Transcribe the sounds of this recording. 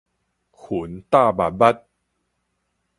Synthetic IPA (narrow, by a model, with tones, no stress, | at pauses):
kʰu˨˩˦nt̪aː˥˩ba˨˩ba˦˥t̪̚